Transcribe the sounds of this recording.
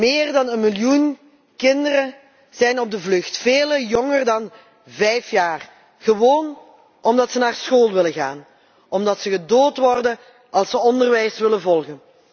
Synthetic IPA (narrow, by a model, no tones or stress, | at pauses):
mɪːrdɑnənmɪljun | kɪndəɾə | z̥ɛjnɔb̚dəvlɵxtfeːləjɔŋərdɑn | vɛjfjaːr | ɣəʋoːn | ʔɔmdɑtsənaːrsxoːlˠʋɪləɣa̰ːn | ʔɔmdɑtsəɣədoːtʋɔrdən | ʔɑlˠsəɔndərʋɛjsʋɪlənvɔlˠɣən